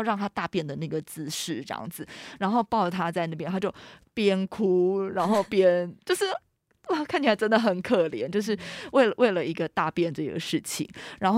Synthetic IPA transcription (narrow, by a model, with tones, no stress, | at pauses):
ʊɻɑ˥˩ŋt̪ʰa˥t̪a˥˧pjɛ˥˩nd̪ə˩na˥˩ɡə˩t͡sɹ̩˥˧ʂɻ̩˥˩ʈ͡ʂjɑ̰˥˩ŋd͡zɹ̩˨˩ɻa˧˥nxo˥˧ʊpɑ˥˩ʊt̪ʰa˥t͡sa˥˧ɪna˥˩pjɛ̃˥nt̪ʰa˥t͡ɕjo˥˩ʊpjɛ˥nkʰu˥ɻa˧˥nxo˥˩ʊpjɛ˥nt͡ɕjo˥˧ʊʂɻ̩˥˩ | wa˥˩kʰnt͡ɕʰi˥la˧˥ɪʈ͡ʂə˥nd̪ə˨xə˨˩nkʰɤ˥˩ljɛ̰˧˥nt͡ɕjo˥˧ʊʂ̬ɻ̩˥˩we˥˩ɪlə˩wʔe˥˩ɪlə˩i˧˥ɡə˧t̪a˥˧pjɛ˥˧nʈ͡ʂɤ˥˩ḭ˧˥ɡə̰˧ʂɻ̩˥˩t͡ɕʰḭ˨˩˦ŋɻa˧˥nx